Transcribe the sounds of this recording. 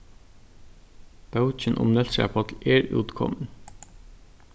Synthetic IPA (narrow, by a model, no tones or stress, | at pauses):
b̥ɑʉc͡çənʔʊ̰mnɛlsæ̰ːpʰɔt̪l̩eːɾʉ̰ːt̪kʰɔ̰mən